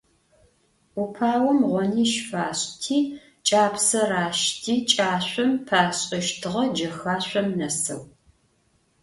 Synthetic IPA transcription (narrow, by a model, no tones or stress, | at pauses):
upʰaːwɔmʁʷɔniːʃfaːɕʼtʰiː | t͡ʃʼaːpsɐraːʃtʰiːt͡ʃʼaːɕʷʼɔmpʰaːɕʼɐʃtʰɨʁɐd͡ʒɐxaːɕʷɔmnɐsɐ̰w